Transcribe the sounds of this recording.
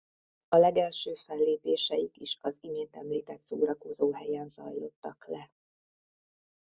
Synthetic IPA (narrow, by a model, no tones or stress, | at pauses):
ɒlɛɡɛlʃøːfɛlːeːpeːʃɛjikiʃɒzimeːnt̪ɛmliːt̪ɛt̪so̰ːɾɒko̞zoːɦɛjɛnzɒ̰jlo̞t̪ːɒklɛ